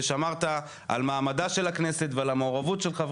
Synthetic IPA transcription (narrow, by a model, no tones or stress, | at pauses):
ʃamaʁt̪a | ʔa̰lmaːmadaʃe̞lakneset̪vealameoʁavutʃelχav